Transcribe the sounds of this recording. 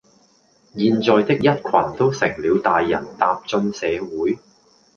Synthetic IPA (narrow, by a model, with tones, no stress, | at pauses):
jiː˧nt͡sɔː˨jt̪ɪ˥k̚jɐ˥t̚kʷʰwɐ˨˩nt̪o˥wsɪ˨˩ŋliː˨˧wt̪aː˨jːɐ̰˨˩nt̪aː˧p̚t͡ʃɵ˧nsɛː˨˧wuː˨˥j